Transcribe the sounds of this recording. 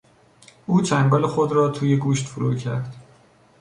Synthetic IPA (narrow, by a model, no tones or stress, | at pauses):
ʔuːt͡ʃʰæŋɡɒːle̞xod̪ɾɒːt̪ʰuːjeɡuːʃt̪fuɾṵːcʰæɾd̪̥